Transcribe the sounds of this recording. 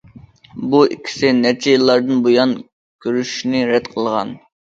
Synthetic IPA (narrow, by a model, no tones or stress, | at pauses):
buḭkʲʰːi̥sɪnɛɾt͡ʃʰɛjilˠːɑɾd̪ɨnbojɑn | kʲʰøɾyʃnɪɾɛd̪qʰəlˠʁɑ̰n